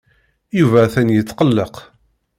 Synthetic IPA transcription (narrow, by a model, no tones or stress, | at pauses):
juvæθænjət͡sːqəlːəq